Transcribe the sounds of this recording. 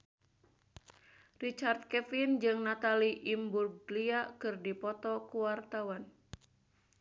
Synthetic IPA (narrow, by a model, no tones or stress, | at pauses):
rit͡ʃart̪̚kɛfind͡ʒɨŋnat̪aliʔimburɡliakɨrdipɔt̪ɔkuwart̪awan